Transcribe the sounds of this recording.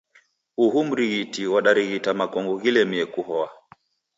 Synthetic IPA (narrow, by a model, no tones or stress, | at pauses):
huɦum̩ɾiɣitiwaɗaɾiɣitamakɔŋɡɔɣilɛmiɛkuɦɔa